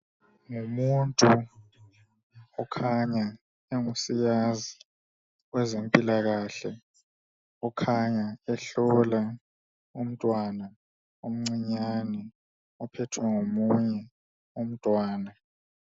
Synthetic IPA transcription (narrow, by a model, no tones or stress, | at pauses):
ŋumuntʼu | ɔkʰaɲa | eŋusijazi | wɛzempʼilaɣaɬɛ | ɔkʰaɲaɛɬɔla | um̩tʼwana | om̩ŋ͡ǀiɲanɛ | ɔpʰɛtʰwɛŋomuɲɛ | um̩tʼwaːna